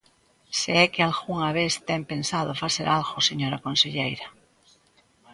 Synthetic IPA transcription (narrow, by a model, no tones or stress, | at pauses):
seɛkealɣuŋaβest̪empensað̞ofaseɾʔalɣoseɲoɾakonseʎejɾa